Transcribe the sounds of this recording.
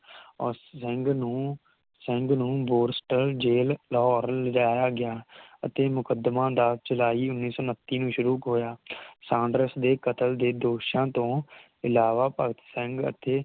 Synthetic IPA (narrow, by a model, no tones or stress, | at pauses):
ɔːɾsəŋɡnũː | sə̃ŋɡnũːboːɾsʈəɾd͡ʒeːllɦɔːɾləd͡ʒaːjaːɡɪaːət̪eːmʊkəd̪mãːd̪aːt͡ʃəlaːiːʊnːiːsɔːnət̪ːiːnũːʃʊɾuːkɦoːjaːsãːɳɖɾəsd̪eːkət̪əld̪eːd̪oːʃãːt̪õː | ɪlaːʋaːpəɡət̪səŋɡə̰t̪eː